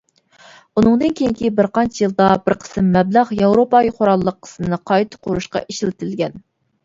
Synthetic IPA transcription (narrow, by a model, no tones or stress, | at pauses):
unɨŋd̪ɨnkʲʰejiŋkʲibɪɾqɑnt͡ʃʰijɨlˠd̪ɑbɪɾqʰə̥sɨmːɛblɑʁjɑwɾopɑjiqʰoɾɑlˠːəqʰːə̥smɨnɨqʰɑjt̪ʰɨ̥qʰoɾuʃqɑ̰ʔiʃilɪt̪ʰɪlɡʲɛn